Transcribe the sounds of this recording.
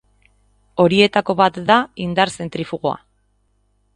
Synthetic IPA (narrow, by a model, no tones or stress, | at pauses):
o̞ɾie̞t̪ako̞βat̪d̪aind̪aɾse̞nt̪ɾifuɣo̞a̰